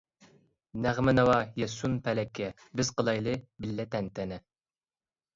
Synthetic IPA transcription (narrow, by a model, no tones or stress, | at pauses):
næʁmɪnɨwɑjɛsunpʰɛlɛkʲʰːɛ | bɪz̥qəlˠɑjlˠɨbɪlːɛt̪ʰɛnt̪ɛnɛ